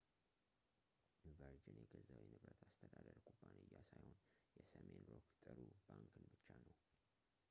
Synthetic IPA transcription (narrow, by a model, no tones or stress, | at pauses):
ɪnvəɾd͡ʒenjɛɡəzawinɨβɾət̪ʰast̪ʰəd̪ad̪əɾkʼubːanɨjːasajho̞njɛsəmenɾokt̪ʼɨɾubaŋkʰɨnbɨt͡ʃːanəw